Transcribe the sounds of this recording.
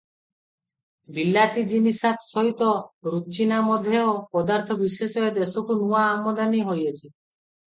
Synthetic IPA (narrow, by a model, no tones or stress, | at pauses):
bilːat̪id͡ʒinisat̪sɔɦit̪ɔɾut͡ʃinamɔd̪ʱːeopɔd̪aɾt̪ʰɔbisesɔet̪esokunuaːmɔd̪aniɦojet͡ʃʰi